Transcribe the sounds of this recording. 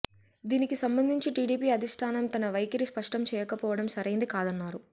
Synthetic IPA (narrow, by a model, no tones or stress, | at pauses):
d̪iːnikisɐmbɐnd̪ʱiɲt͡ʃiʈiːɽiːpiːɐd̪ʱiʂʈʰaːnɐmt̪ɐnɐʋɐjkɐɾispɐʂʈɐmt͡ʃɛːjɐkɐpɔːʋɐɽɐmsɐɾɐjnd̪ikaːd̪ɐnːaːɾu